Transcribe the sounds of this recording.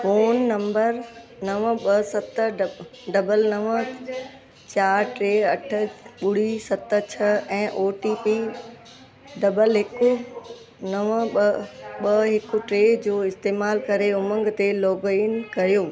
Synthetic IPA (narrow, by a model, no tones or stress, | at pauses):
foːnːɐ̃mbəɾnɐʋɓɐsɐt̪ɖɖɐbəlnɐʋə | t͡ɕaːɾʈɾeːɐʈʰə̆ɓʊɽ̤isɐt̪t͡ɕʰɐɛ̃ːʔoːʈiːpi | ɖɐbəlɦɪkʊ | nɐʋ | ɓɐɦɪkʊ̆ʈɾeːd͡ʑoːɪst̪eːmaːlkɐɾeʊmə̃ŋɡt̪eloːɡiːnkɐɾijoː